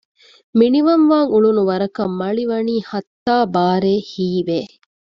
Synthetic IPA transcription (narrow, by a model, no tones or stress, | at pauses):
miniʋɐnʋaːŋuɭunuʋɐɾɐkɐmːɐɭiʋɐniːhɐt̪ːaːbaːɾeːhiːʋeː